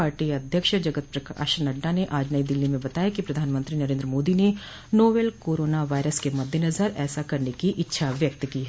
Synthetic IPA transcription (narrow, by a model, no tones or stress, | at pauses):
aːɾʈiɐd̪ʱjəkʃd͡ʒɐɡət̪̚pɾɐka̰ːʃnɐɖːaneʔaːd͡ʒnəid̪ɪlːimẽbɐt̪aːjakipɾɐd̪ʱaːnmə̃nt̪ɾinɐɾẽːd̪ɾəmoːd̪ine | noːʋeːlkoːɾoːnaʋaːɪɾəskemɐd̪ʱːjenɐzəɾɛːsakɐɾnekiʔɪtːʃʰaʋjɐk̚t̪kiːɦɛ